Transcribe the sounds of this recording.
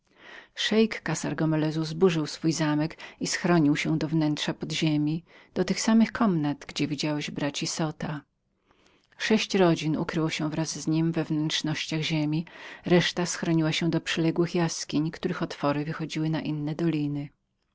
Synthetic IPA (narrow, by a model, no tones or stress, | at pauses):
ʂɛjkːasa̰ɾɡɔmɛlɛzuzbuʐɘwsfujzamɛkisxɾɔɲiwɕɛ̃d̪ɔvnɛntʂapɔd̪ʑemʲi | d̪̥ɔt̪ɘxsamɘxkʰɔmnad̪ɡd͡ʑɛvʲid͡ʑawɛʑbɾat͡ɕisɔt̪a | ʂɛɕt͡ɕɾɔd͡ʑinṵkɾɘwɔɕɛvɾazːɲimvɛvnɛntʂnɔɕt͡ɕaɣʑemʲiɾɛʂt̪asxɾɔɲiwaɕɛ̃d̪ɔpʂɛlɛɡwɘxjaskʲiɲkt̪uɾɘxɔt̪fɔɾɘvɘxɔd͡ʑiwɘnaʔinːɛd̪ɔlʲinɘ